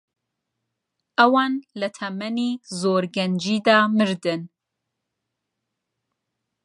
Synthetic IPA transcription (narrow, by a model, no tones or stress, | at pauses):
ʔɐwɑːnlɐt̪ʰɐmɛniːzoːɾɡɛnd͡ʒiːd̪ɑːmɨɾd̪ɨn